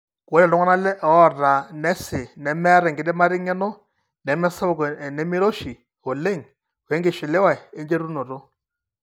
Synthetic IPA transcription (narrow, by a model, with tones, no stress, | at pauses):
wɔ˦ɾɛ˨dɔ˦ŋa˦na˦lɛ˦ʔɔ˦˨ɾa˨nɛ˦sɪ˨nɛ˨mɛ˦ɾɛ˨ŋɡɪ˨dɛ˦ma˦ɾɪ˦ŋɛ˦nɔ˦ | nɛ˨˦mɛ˦sa˦˨knɛ˨˦mɪ˦ɾo˦ʃi˨ | o˨le˦˨ŋ | we˨˦ŋɡɪ˨ʃɪ˨lɪ˦wa˨e˦nd͡ʒe˦ɾu˦no˨ɾo˦